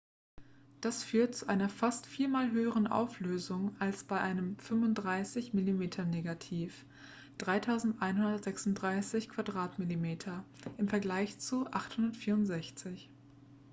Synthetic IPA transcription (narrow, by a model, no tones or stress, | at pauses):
d̥asfyːɐt̚t͡suʔaɪnɐfastfiːɐmaːlɦøːəʁənʔa̰ʊfløːzʊŋalsb̥aɪʔaɪnəmfʏmvʊnt̚d̥ʁaɪsɪçmilimeːtʰɐneːɡatʰiːf | d̥ʁaɪtʰaʊzn̩tʔaɪnhʊndɐtz̥ɛksʊnt̚d̥ʁaɪsɪçkʰv̥adʁaːtmilimeːtʰɐ | ʔɪmfɛɐɡlaɪçt͡suʔaχthʊndɐtfiːɐʊntz̥ɛçt͡sɪç